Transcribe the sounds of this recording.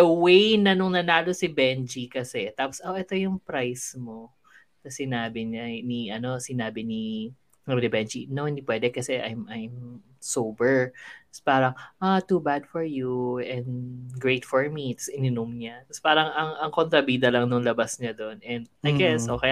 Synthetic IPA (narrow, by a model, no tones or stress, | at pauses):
d̪ɐwejnɐnʊŋnɐnaːlosɪbɛnd͡ʒikɐsɛt̪aːposʔoʔɛt̪o̞jʊŋpɾajsmo | nɐsɪnaːbɪɲaniʔɐno̞sɪnaːbɪni | ɐŋbnɪbɛnd͡ʒinoɪnd̪ipwɛd̪ɛkɐsɛʔa̰jmɐjm | sowbɛɹt̪ɐ̥spaːɾɐŋʔat̪ubad̪fɔɹjuʔɛnd̪ɡɹejt̪fɔɹmit̪sɪnɪnomɲat̪ɐspaːɾɐŋɐŋɐŋkont̪ɾɐbiːd̪ɐlɐŋnʊŋlɐbasɲɐd̪o̞nʔɛnd̪ajɡɛsʔokɐja